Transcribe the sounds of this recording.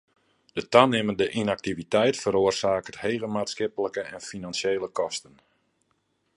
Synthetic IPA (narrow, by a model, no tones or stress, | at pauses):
d̥ətanɪmədəʔinak̚tivitɛjtfəɾoərsaːkəthejɣənmaːtskɪpələkəɛnfinansjeːləkɔstən